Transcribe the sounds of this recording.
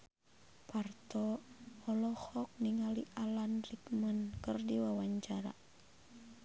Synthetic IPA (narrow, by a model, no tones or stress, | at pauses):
part̪ɔɔlɔhɔk̚niŋaliʔalanrikmənkɨrdiwawaɲt͡ʃaɾa̰